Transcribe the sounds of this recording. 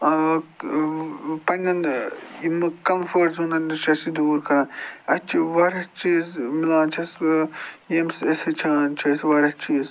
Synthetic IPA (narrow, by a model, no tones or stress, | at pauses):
pɐnʲɐnimɨkɐmfɐɾʈzũːnd̪ɐndɨt͡ʃʰɐsid̪uːɾkʰɐɾɐːnɐt͡ʃʰiʋɐɾʲɐt͡ʃiːzmilãːnt͡ʃʰɐs | emseset͡ʃʰaːnt͡ʃʰɐsʋɐɾʲɐt͡ʃʰiːz